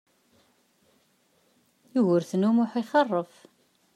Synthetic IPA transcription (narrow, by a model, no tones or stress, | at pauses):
juɣʊɾθnumʊħiχɑrˤːəf